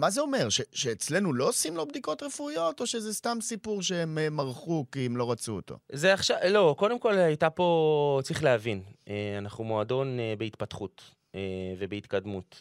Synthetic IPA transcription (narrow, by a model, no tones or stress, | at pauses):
mazeo̞me̞ʁʃe̞ʃeːt͡sle̞nulo̞simlo̞bd̪iko̞t̪ʁe̞fuijo̞t̪o̞ʃe̞zest̪amsipuʁʃeememaʁχukiemlo̞ʁat͡suo̰t̪o̞̰zeaχʃalo̞ko̞d̪emko̞lajt̪apo̞t͡sʁiχleavineanaχnumoad̪o̞nebeit̪pat̪χut̪ | evebeit̪kad̪mut̪